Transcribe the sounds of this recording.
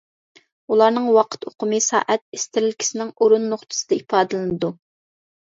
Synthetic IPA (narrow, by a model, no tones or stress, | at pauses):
ulˠɑɾnɨŋwɑqʰə̥t̪oqʰʊmɨsɑ̰ːʔɛt̪̚est̪ɪɾɪlkʲi̥sɪnɪŋoɾunːoχt̪ʰɨ̥sɨd̪ɛipʰɑːd̪ɨlˠɨnɨd̪u